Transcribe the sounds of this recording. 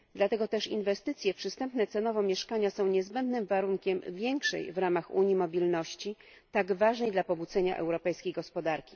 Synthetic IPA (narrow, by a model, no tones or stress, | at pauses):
d̪lat̪ɛɡɔt̪ɛʂḭnvɛst̪ɘt̪sʲjɛpʂɘst̪ɛmpnɛt̪sɛnɔvɔmʲjɛʂkaɲasɔ̃w̃ɲɛzbɛnd̪nɘmvaɾuŋkʲɛmvʲjɛŋkʂɛ̰jvɾamaxṵɲimɔbʲilnɔɕt͡ɕi | t̪aɡvaʐnɛjd̪lapɔbud̪zɛɲa̰ʔɛ̰wɾɔpɛjskʲejɡɔspɔd̪aɾkʲi̥